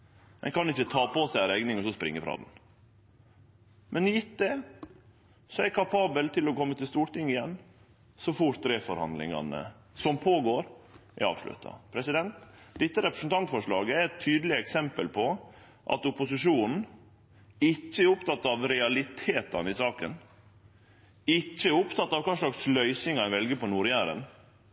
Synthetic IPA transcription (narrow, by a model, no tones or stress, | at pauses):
ɛ̰nkɑnɪçːət̪ʰɑːpɔsæɪɾɛɡnɪŋɔsɔspɾɪ̰ŋːəfɾɑ̰ːd̪n | mʔɛnjɪt̪̚d̪ɛ | sɔæɾkʰɑpʰɑːbəlt̪ʰɪlɔkɔmːət̪ɪlst̪uːʈɪŋːɪjɛnː | sɔfʊʈ̚d̪ɾeːfɔɾhɑ̰nd̪lɪ̰ŋɑ̰nə̰ | sɔmpʰoːɡoːɾʔɛ̰ɾɑ̰ːʋʂlʉ̰t̪ʰɑ̰pʰɾɛsɪd̪ɛnt̪d̪ɪt̪ːəɾɛpɾə̥sn̩t̪ɑnt̪fɔʂɭɑːɡəæɾɛt̪ʰːyːd̪əlɪəɛksɛmpəlpʰɔ | ʔɑ̰t̪ʊpʊsɪʂuːnn̩ | ɪcːəʊpt̪ʰɑt̪ːɑʋɾɛɑlɪt̪ʰeːt̪ɑ̰nɪsɑːkən | ɪt͡ʃːəʊpt̪ʰɑt̪ːɑʋkʰɑːʂɭɑkslœʏsɪŋɛnʋɛlɡəpɔnuːɾɪjæːɾə̰n